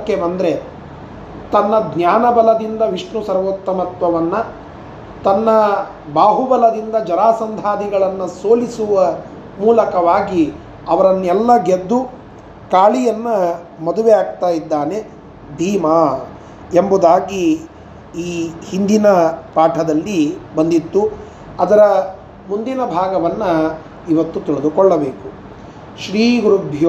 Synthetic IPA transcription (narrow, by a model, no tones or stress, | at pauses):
kːemɐnd̪ɐɾe | t̪ɐnːɐd̪njaːnɐbɐlɐd̪ind̪ɐʋiʂɳusɐɾʋoːt̪ːɐmɐt̪ʋɐʋɐnːɐ | t̪ɐnːɐ | baːɦubɐlɐd̪ind̪ɐd͡ʒɐɾaːsɐnd̪ʱaːd̪iɡɐɭɐnːɐsoːlisuʋɐ | muːlɐkɐʋaːɡi | ɐʋɐɾɐnːɛlːɐɡed̪ːu | kaːɭijɐnːɐ | mɐd̪uʋejaːɡ̚t̪aːjid̪ːaːne̞ | bʱiːma | embud̪aːɡi | iːhind̪inɐpaːʈʰɐd̪ɐlːibɐnd̪it̪ːu | ɐd̪ɐɾɐ | mund̪inɐbʱaːɡɐʋɐnːɐ | iʋɐt̪ːut̪iɭɐd̪ukɔɭːɐbeːku | ʃɾiːɡuɾubʱj